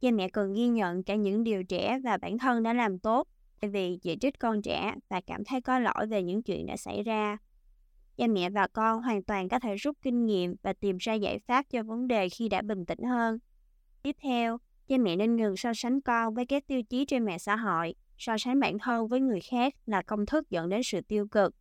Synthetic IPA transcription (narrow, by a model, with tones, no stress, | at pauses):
zaː˧mɛ̰˧˨kɔ˨˩nɣi˧ɲə̰˧˨nkaː˧˩ɲɨ̰˧˥ŋɗi˨˩əwt͡ɕɛ˧˩vaː˨˩ɓaː˧˩nt̪ʰə˧nɗa̰ː˧˥laː˨˩mt̪o˦˥t̚ | t̪aː˧˩jvi˨˩zḭ˧˨t͡ɕï˦˥k̟̚kɔ˧nt͡ɕɛ̰˧˩vaː˨˩kaː˧˩mt̪ʰə˨˦jkɔ˨˦lo̰˧˥˨jve˨˩ɲɨ̰˧˥ŋt͡ɕwḭ˧˨ənɗa̰ː˧˥sa̰˧˩jzaː˧ | zaː˧mɛ̰˧˨vaː˨˩kɔ˧nɦwaː˨˩nt̪waː˨˩nkɔ˨˦t̪ʰe˧˩zu˦˥t̚kï˧ŋ̟ŋḭ˧˨əmvaː˨˩t̪i˨˩mzaː˧za̰ː˧˩jfaː˦˥p̚t͡ɕɔ˧və˨˦nɗe˨˩xi˧ɗa̰ː˧˥ɓï˨˩ŋ̟t̪ḭ̈˧˩˥ŋ̟həː˧n | t̪i˦˥əp̚t̪ʰɛ˧w | zaː˧mɛ̰˧˨ne˧nŋɨ˨˩ŋsɔ˧sa˨˦ŋ̟kɔ˧nvəː˨˦jkaː˦˥k̚t̪i˧əwt͡ɕi˨˦t͡ɕe˧nmɛ̰˧˨sa̰ː˧˨ɦo̰˧˨j | sɔ˧sa˨˦ŋɓaː˧˩nt̪ʰə˧nvəː˨˦jŋɨ˨˩əjxaː˦˥k̚laː˨˩kə˧wŋ͡mt̪ʰɨ˦˥k̚zə̰˧˨nɗe˨˦nsɨ̰˧˨t̪i˧əwkɨ˨˩k̚